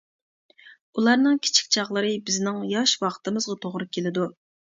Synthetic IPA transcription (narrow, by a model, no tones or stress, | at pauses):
ulˠɑɾnɨŋkʲʰi̥t͡ʃʰi̥k̚ʲt͡ʃʰɑχlˠəɾɨbɪznɪŋjɑʃwɑqʰt̪ɨmɨzʁɑt̪ʰoʁɾɨkʲʰelɪd̪u